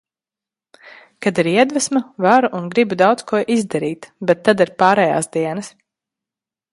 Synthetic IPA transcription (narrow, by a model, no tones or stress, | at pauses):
kad̪iɾiɛd̪væsmavaɾuʔunɡɾibud̪awd̪skuɔʔizd̪aɾiːt̪bɛt̪ːad̪iɾpaːɾɛːja̰ːsd̪iɛnɐs